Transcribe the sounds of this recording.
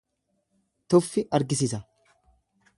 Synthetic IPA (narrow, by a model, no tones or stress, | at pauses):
t̪ɔfːɪʔɐɾɡɪsɪsɐ